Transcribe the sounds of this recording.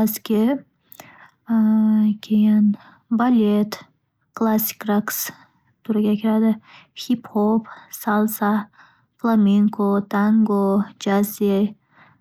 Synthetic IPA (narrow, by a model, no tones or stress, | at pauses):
askʲe | kʲʰejan | balʲet̪ | klˠasi̥kɾaks | t̪ʰuɾaɡʲakʲʰiɾad̪ɨhiphopsalˠsa | flˠameŋkot̪ʰaŋɡod͡ʒaze